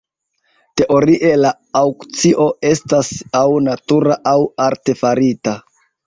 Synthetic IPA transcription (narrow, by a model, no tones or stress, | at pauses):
te̞ʔo̞ɾiʔe̞laː | wkt͡siʔo̞e̞stasawnatuɾaʔawaɾte̞faɾita